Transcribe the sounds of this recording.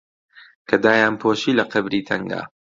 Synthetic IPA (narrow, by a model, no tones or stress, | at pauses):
kʰɐd̪aːjaːnpʰoːʃiːlɐqɐbɾiːt̪ʰɐŋɡa̰ː